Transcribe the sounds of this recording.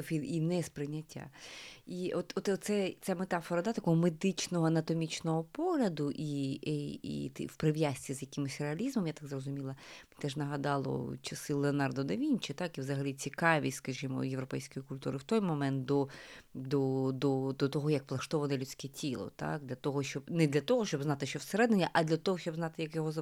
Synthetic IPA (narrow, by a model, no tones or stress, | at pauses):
fiinɛspɾɪnʲːɐtʲːa̰iɔt̪ɔt̪tt̪sɛt̪sɛmet̪ɑfɔɾɐd̪at̪ɐkɔɦɔmed̪ɪt͡ʃnɔɦɔɐnɐt̪ɔmʲit͡ʃnɔɦɔpɔɦlʲɐd̪ʊʔi | ḭt̪wpɾɪʋjasʲtʲizjɐkɪmɪsʲreɐlʲizmɔmjat̪aɡzrɔzʊmʲilˠɐ | t̪ɛʒnɐɦɐd̪ɑlˠɔ̰t͡ʃɐsɪlˠeɔnɑrd̪ɔd̪ɐʋʲinʲt͡ʃɪt̪ɑkiʋzɐɦɐlʲit͡sʲikɑʋʲisʲtʲskɐʒimɔ̰jewɾɔpɛjsʲkɔjʊkʊlʲt̪uɾɪwt̪ɔjmɔmɛnt̪̚d̪ɔd̪ɔd̪ɔd̪ɔt̪ɔɦɔjɐkplˠɐʃt̪ɔʋɐnɛlʲut͡sʲkɛtʲilˠɔ̰t̪a̰k̚d̪ʲlʲɐt̪ɔɦɔʃt͡ʃɔbnɛd̪lʲɐt̪ɔɦɔʃt͡ʃɔbznɑt̪ɪʃt͡ʃɔwseɾɛd̪ɪnʲːɐʔɐd̪lʲɐt̪ɔɦɔʃt͡ʃɔbznɑt̪ɪjɐkjɔɦɔzɐ